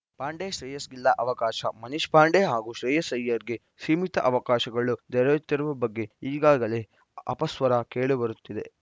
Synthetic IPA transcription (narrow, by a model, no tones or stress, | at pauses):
paːɳɖeːʃɾiːjɐsɡilːɐʔɐʋɐkaːʃɐmɐniʃpaːɳɖeɦaːɡuːʃɾiːjɐsɐjːɐɾiɡe | siːmit̪ɐʔɐʋɐkaːʃɐɡɐɭud̪ɛɾɐʋit̪ːɐɾɐʋɐbɐɡːe̞iːɡaːɡɐle̞ | ɐ̰pɐsʋɐɾɐkeːɭubɐɾut̪ːid̪e̞